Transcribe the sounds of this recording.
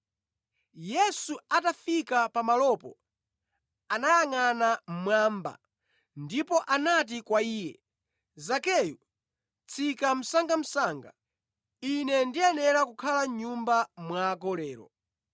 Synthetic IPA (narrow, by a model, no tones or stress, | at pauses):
jɛsuatafikapamalɔpɔ̰ | anajaŋanam̩mwaːmba̰ | ndipɔʔanat̬ikwaiːjɛ | zakɛju | t͡sʰikam̩saŋɡam̩saːŋɡa̰ | inɛndiɛnɛɾakukʰalaɲumbamwaːk̬ɔlɛːɾɔ̰